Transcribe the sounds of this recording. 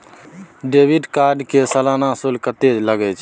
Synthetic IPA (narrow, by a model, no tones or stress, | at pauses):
ɖebiɖkaɾɖkesəlanasulkət̪ed͡ʒləɡɛt͡ʃʰ